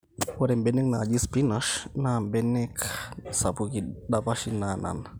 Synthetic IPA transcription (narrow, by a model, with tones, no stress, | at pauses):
wɔ˦ɾɛ˨mbɛ˦nɛ˦k̚na˨d͡ʒi˦spi˦naʃnambɛ˦nɛ˦ksa˨puki˨ɗapa˦ʃi˦nana̰˨n